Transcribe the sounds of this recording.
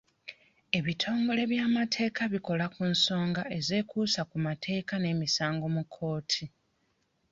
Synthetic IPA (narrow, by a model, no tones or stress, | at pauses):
e̞βitʰo̞ːŋɡo̞le̞βjaːmatʰe̞ːkaβiko̞lakunso̞ːŋɡaʔe̞ze̞ːkuːsakumatʰe̞ːkane̞ːmisaːŋɡo̞mukʰːo̞ːtʰi